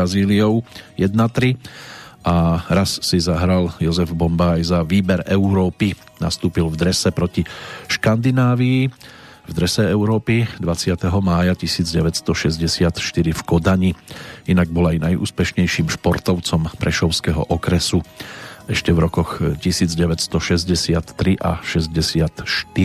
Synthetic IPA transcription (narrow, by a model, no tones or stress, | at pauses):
aziːliɔʊjɛd̪̚nat̪ɾiʔaɾasːizaɦɾaljɔzɛvbɔmbajzaʋiːbɛɾɛʊɾɔːpi | nast̪uːpilvd̪ɾɛsɛpɾɔciʃkand̪inaːʋii | vd̪ɾɛsɛɛʊɾɔːpid̪ʋat͡sɪat̪ɛɦɔmaːjacisiːd͡zɟɛʋɛcst̪ɔʃɛzɟɛsɪat̪ʃt̪iɾifkɔd̪aɲiinaɡ̚bɔlajnajʔṵːspɛʃɲɛjʃiːmʃpɔɾt̪ɔʊt͡sɔmpɾɛʃɔʊskɛɦɔ̰ʔɔkɾɛsuɛʃcɛvɾɔkɔxcisiːd͡zɟɛʋɛtst̪ɔʃɛzɟɛsɪat̪ːɾiʔa̰ʃɛzɟɛsɪat̪ʃt̪i